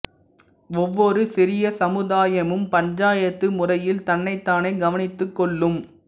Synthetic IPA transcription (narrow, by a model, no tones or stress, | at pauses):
ɔʋːɔɾɯsɪɾɪjɐsɐmɯðaːjɐmɯmpɐɲd͡ʒaːjɐt̪ːɯmʊrɐjɪlt̪ɐnːɐɪt̪ːaːnɐɪɡɐʋɐnɪt̪ːɯkːɔɭːɯm